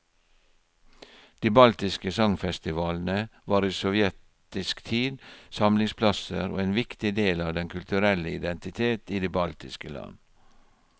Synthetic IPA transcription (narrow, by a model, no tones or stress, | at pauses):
d̪̥iːbɑlt̪ɪskəsɑŋfɛst̪ɪʋɑːln̩əʋɑːɾiːsɔʋjɛt̪ | ɪskt̪ʰiːd̪sɑmlɪŋspʰlɑsəɾo̰ːeːnʋɪkt̪ɪd̪eːlɑːʋd̪ɛnkʰʉlt̪ʉɾɛləɪd̪ɛnt̪ɪt̪ʰeːt̪iːd̪eːbɑlt̪ɪskəlɑ̰n